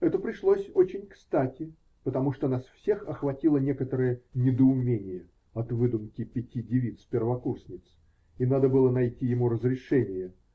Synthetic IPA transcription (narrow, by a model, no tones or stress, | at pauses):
ɛt̪əpɾʲɪʂlˠosʲot͡ɕɪnʲkst̪atʲɪ | pət̪ɐmuʂt̪onasfsʲe̞xɐxvɐtʲilˠənʲe̞kət̪əɾəjənʲɪd̪əʊmʲenʲɪjə | ɐt̪vɨd̪ʊmkʲɪpʲɪtʲidʲɪvʲit̪sfpʲɪrvɐkursʲnʲɪt̪s | inad̪əbɨlˠənɐjtʲijɪmuɾəzɾʲɪʂɛnʲɪjə